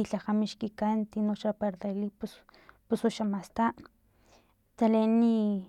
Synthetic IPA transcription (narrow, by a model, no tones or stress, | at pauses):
iɬaχamiʃkikant̪inoʃapaɾt̪alipus | pusuʃamast̪aʔ | t̪aleni